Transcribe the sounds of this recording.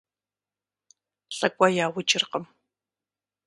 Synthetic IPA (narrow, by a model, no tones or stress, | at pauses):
ɬʼɐkʷʼajaːwɨt͡ʃʼɪrqəm